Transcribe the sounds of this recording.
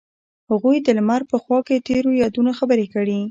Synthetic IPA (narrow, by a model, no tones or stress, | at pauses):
haɣujd̪əlmaɾpəxwɑket̪eɾojɑd̪unaxabəɾekəɽi